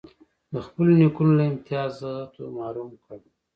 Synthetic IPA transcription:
d̪əxpəlonikunolaɪmt̪ijɑːzɣat̪omɑːɾumkəɽ

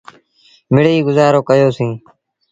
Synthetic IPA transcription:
mɪɽiːɡʊzaːɾoːkəjoːsĩː

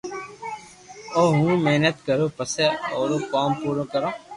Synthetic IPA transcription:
oːɦũːmeːnət̪kəɾõːpəseːoːɾoːkaːmpuːɾõːkəɾõː

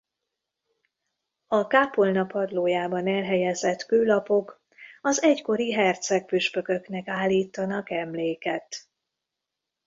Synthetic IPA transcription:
ɒkaːpolnɒpɒd̪loːjaːbɒnɛlɦɛjɛzɛt̪køːlɒpo̞k | ɒzɛcko̞ɾiɦɛrt̪sɛk̚pyʃpø̞kø̞knɛkaːlːiːt̪ːɒnɒkɛmleːkɛt̪

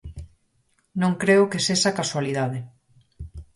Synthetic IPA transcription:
nõŋkɾeʊkeseʃakaswaliðaðe

